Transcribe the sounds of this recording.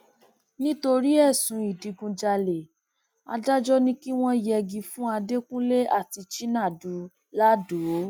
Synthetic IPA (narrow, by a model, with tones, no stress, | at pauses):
nĩ˦to˧ɾi˦ɛ˦˨sũ˨˦i˨di˨˧ɡũ˧d͡ʒa˧le˨ | a̰˧da˦d͡ʒɔ˦nĩ˦ki˦w̃ɔ̃˦jɛ˧ɡĩ˧fũ˦a˧de˦kũ˦le˦ʔa˦˨ti˧t͡ʃi˦nã˦˨du˨˦ | la˦du˨˦